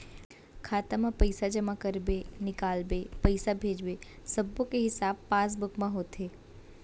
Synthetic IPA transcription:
kʰaːt̪amãpəjsad͡ʒəmakəɾbenɪkaːlbepəɪsabʱeːd͡ʒbe | səbokeɦɪsaːbpaːs̬bʊkmãɦoːt̪ɦeː

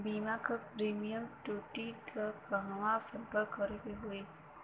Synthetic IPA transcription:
bimakəpɾimijəmʈuʈikəkəɦʋasəbəkːəɾekeɦoe

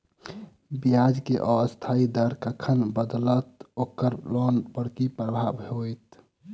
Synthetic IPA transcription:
biad͡ʒkeʔɔəst̪ʰaid̪əɾkəkʰənbəd̪lət̪okəɾlɔnbəɽkipɾəbʱabɦojt̪

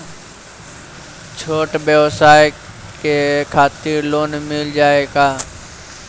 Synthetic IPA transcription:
t͡ʃʰoːʈbjəʋsaːj | kekʰaːt̪iɾloːnmɪld͡ʒaːeːɡaː

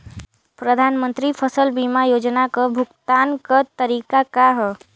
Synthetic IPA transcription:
pɾəd̪ʱaːnmə̃nt̪ɾipʰəsəlbimajoːd͡ʒnakəbʱʊkt̪aːnkət̪əɾikakaɦɛ

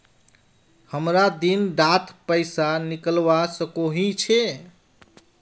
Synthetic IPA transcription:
həmɾad̪inɖat̪ʰpəɪsanikəlbasəkoɦĩt͡ʃʰe

